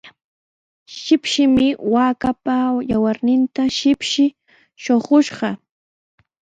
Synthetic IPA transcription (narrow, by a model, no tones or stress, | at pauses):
ʃɪpʃɪmɪwaːkapajawaɾnɪnt̪aʃɪpʃɪ | ʃoχoʃɢɑ